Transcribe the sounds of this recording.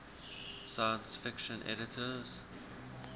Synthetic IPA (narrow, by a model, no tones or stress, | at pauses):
sajə̃nsfɪkʃə̃nʔɛ̰ɾɪtʰəz̥